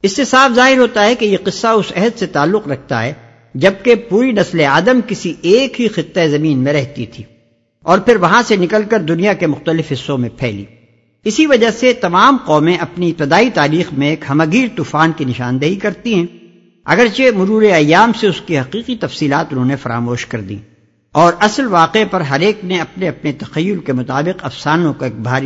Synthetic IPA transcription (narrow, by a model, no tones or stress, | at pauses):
ɪsːesaːfzaːɦɪɾɦoːt̪aɦɛkejeqɪsːaʊsɛɦəd̪set̪aːlːʊqɾɐk̚ʰt̪a̰ɦɛː | d͡ʒɐb̚kepuːɾinɐsleaːd̪əmkɪsieːkɦixɪt̪ːeezɐmiːnmẽɾɛɦt̪it̪ʰiː | ɔːɾpʰɪɾʋɐɦãsenɪkəlkɐɾd̪ʊnijakemʊxt̪əlɪfɦɪsːõmẽpʰɛ̰ːlḭː | ɪsiʋɐd͡ʒaset̪ɐmaːmqɔːmẽʔɐpniɪp̚t̪ɪd̪aːit̪aːɾiːxmẽeːkhɐmaɡiːɾt̪uːfaːnkinɪʃaːnd̪əɦikɐɾt̪iɦɛ̃ | ɐ̰ɡəɾt͡ʃemʊɾuːɾeɐjːaːmseʊskiɦɐqiːqit̪ɐfsiːlaːt̪ʊnɦõnefɐɾa̰ːmoːʃkɐɾd̪ḭː | ɔːɾʔɐslʋaːqepɐɾɦɐɾeːkneɐpneɐpnet̪ɐxɐjːʊlkemʊt̪aːbɪqɐfsaːnõkoeːk̚bʱaːɾ